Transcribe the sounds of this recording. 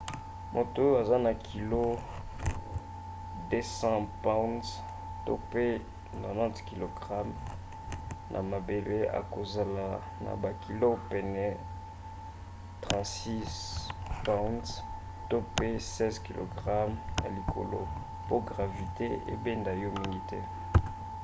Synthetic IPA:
mʔo˨to˦jo˦a˨za˦na˨kʰi˨lo˦ | de˦sɑ̃˦pa˦nz | to̰˦pe˦ | nɔ˨nã˦tki˨lo˨ɡʁa˦m | nʔa̰˨ma˨be˨le˦a̰˨ko˨za˨la˨ | na̰˨ba˨kʰi˨lo˦pɛ˨nɛ˨ | tʁɑ̃˨tsi˦spa˦nz | to˦pe˦sɛ˦zki˨lo̰˨ɡʁa˦mja̰˨li˨kʰo̰˨lo̰˦ | po˦ɡʁa˨vi˨te˦ḛ˦be˦nda˨jɔ˦mi˦ŋɡi˦tɛ˦

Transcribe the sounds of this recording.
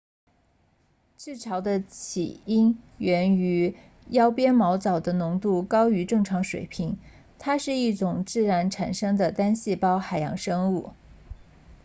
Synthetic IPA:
ʈ͡ʂɻ̩˥˩ʈ͡ʂʰɑ˧˥ʊd̪ə˧t͡ɕʰḭ˨˩i˥nɥɛ˧˥ny˧˥ | jɑ˥ʊpjɛ˥nmɑ˧˥ʊt͡sɑ˨˩ʊd̪ə˦nʊ˧˥ŋt̪u˥˩kɑ˥ʊy˧˥ʈ͡ʂɤ˥˩ŋʈ͡ʂʰɑ˧˥ŋʂwḛ˨˩ɪpʰi˧˥ŋ | t̪ʰa˥ʂɻ̩˥˧i˥˩ʈ͡ʂʊ˨˩ŋt͡sɹ̩˥˩ɻa˧˥nʈ͡ʂʰa˨˩nʂɤ˥ŋd̪ə˨t̪a˥nɕi˥˩pɑ˥ʊxa˨˩ɪjɑ̰˧˥ŋʂɤ˥ŋu˥˩

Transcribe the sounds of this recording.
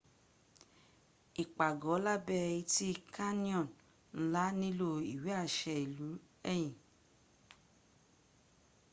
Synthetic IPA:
i˨k͡pa˨ɡɔ˨˦la˦bɛ˦˧jĩ˧ti˦˧kʰa˦nĩ˦ɔ̃˦˨n | n̩˦la˦nĩ˦lo˦i˨wi˨˦a˦˨ʃɛ˧i˨lu˨˦ | ɛ˦˨j̃ĩ˨

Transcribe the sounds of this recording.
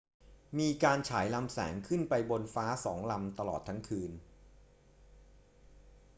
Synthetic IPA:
miː˧kaː˧nt͡ɕʰaː˩˦jla˧msɛ̰ː˩˦ŋkʰɯ˥˩npa˧jbo˧nfaː˦˥sɔː˩˦ŋla˧mt̪a˧lɔ̰ː˨˩t̪ʰːa˦˥ŋkʰɯː˧n

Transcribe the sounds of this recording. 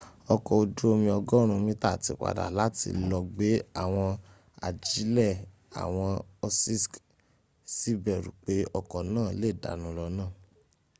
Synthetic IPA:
ɔ˧kɔ˨o˧du˦o˧mĩ˧ɔ˧ɡɔ˦ɾ̃ũ˧mĩ˦ta˦˨ti˧˦k͡pa̰˨da̰˨la˨˦tḭ˧lɔ˧ɡ͡be˨˦a˦˨w̃ɔ̃˧ | a̰˨d͡ʒi˨˦lɛ˦˨ | a̰˨w̃ɔ̃˧ɔ˧si˦sk | si˦bɛ˦˨ɾṵ˨k͡pe˨˦ɔ˧kɔ˨nãː˦˨le˦˨da̰˨˦nũ˨˦lɔ˧nãː˦˨

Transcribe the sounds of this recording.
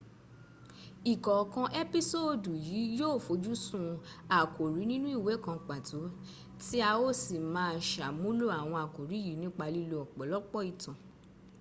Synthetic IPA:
i˨kɔ˨kã˧ʔe˦pi˦so˦˨du˨jiː˨˦joː˦˨fo˧˦d͡ʒu˦sũ˦˧a˨ko˨ɾi˨˦nĩ˦nũ˦i˦˨we˨˦kã˧k͡pa˨to˨˦ | ti˦a˧o˦˨si˨mãː˨˦ʃa˨mũ˦lo˦a˨w̃ɔ̃˧a˨ko˨ɾi˨˦ji˨˦nĩ˦k͡pa˧li˧lo˧ɔ˨k͡pɔ˨˦lɔ˦k͡pɔ˦i˨tã˨

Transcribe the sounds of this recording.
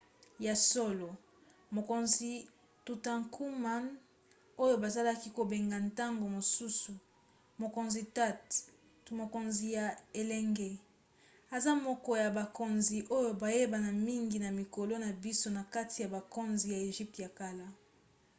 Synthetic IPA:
ja˨so˦lo˨ | mo˨ko˨nzi˨ | tu˨ta˨ŋku˦ma˦n | o˦jo˦ba˨za˦la˦ki˦ko˨be˨ŋɡa˨nta˦ŋɡo˨mo˨su˦su˨ | mo˨ko˨nzi˨ta˦t | mo˨ko˨nzi˨ja˨e˨lɛ˦ŋɡe˦ | a˨za˦mɔ˦kɔ˦ja˨ba˨ko˨nzi˨ʔo˦jo˨ba˨je˦ba˨na˨mi˦ŋɡi˨na˨mi˨ko˨lo˦na˨bi˦so˦na˨ka˦tʰi˨ja˨ba˨ko˦nzi˨ja˨e˨ʒi˦p̚tja˨ka˦la˦

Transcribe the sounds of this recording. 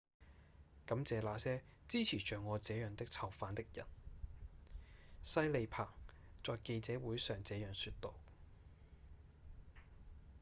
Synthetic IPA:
kɐ˨˥mt͡sɛː˨laː˨˧sɛː˥t͡siː˥t͡sʰiː˨˩t͡ʃœː˨ŋːɔː˨˧t͡sɛː˨˥jœː˨ŋt̪ɪ˥k̚t͡sʰɐ˨˩wfaː˨˧nt̪ɪ˥k̚jɐ̰˨˩n | sɐ˥jle˨˧jpʰaː˨˩ŋ | t͡sɔː˨jke˧jt͡sɛː˨˥wuː˨˥jsœː˨ŋt͡sɛː˨˥jœː˨ŋsyː˧t̚t̪o˨˧w

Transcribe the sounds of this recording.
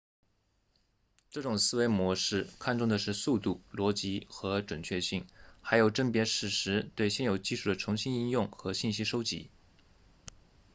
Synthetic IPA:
ʈ͡ʂɤ˥˩ʈ͡ʂʊ˨˩ŋsɹ̩˥we˧˥ɪmwɔ˧˥ʂɻ̩˥˩kʰa˥˧nʈ͡ʂʊ˥˩ŋd̪ə˩ʂɻ̩˥˧su˥˧t̪u˥˩lwɔ˧˥t͡ɕi˧˥xɤ˧˥ʈ͡ʂwə˨˩nt͡ɕʰɥɛ˥˧ɕi˥˩ŋxa˧˥ɪjo˨˩ʊʈ͡ʂə˥˩ŋpjɛ˧˥ʂɻ̩˥˩ʂɻ̩˧˥t̪we˥˧ɪɕjɛ˥˩njo˨˩ʊt͡ɕi˥˧ʂu˥˩d̪ə˩ʈ͡ʂʰʊ˧˥ŋɕi˥ni˥˧njʊ˥˩ŋxɤ˧˥ɕi˥˩nɕi˥ʂo˥ʊt͡ɕḭ˧˥

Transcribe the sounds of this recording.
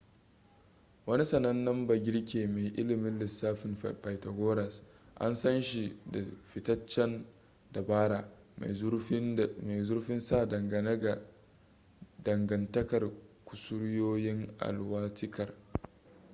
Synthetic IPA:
wɐ˦ni˦sɐ˨nɐ˦nːɐ˦mbɐ˨ɡʲɪ˦ɽkʲeː˨me˨ʔɪ˦lɪ˨mɪ˦nlɪ˨sːaː˦ɸɪ˨mpa˨jtɐ˨ɡʷoː˦ɾɐ˨s | ʔa̰˦nsɐ˦nʃi˨da˨ɸɪ˨tɐ˦t͡ʃːɛ˦n | da˨baː˦ɽaː˨˦ | me˨zʊ˦ɾɸɪ˦nsaː˦˨dɐ˨ŋɡɐ˨nɐ˦ɡa˨ | dɐ˨ŋɡɐ˨ntɐ˦kɐ˨rkʷʊ̥˨sʊ˦ɽjoː˦jɪ˦ŋʔa̰˨lwaː˦tɪ˦kɐ˨r

